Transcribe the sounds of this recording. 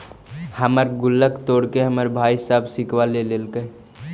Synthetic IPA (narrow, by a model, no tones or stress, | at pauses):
həməɾɡʊlːəkt̪oːɽkeɦəməɾbʱaisaːbsikʋalelelkə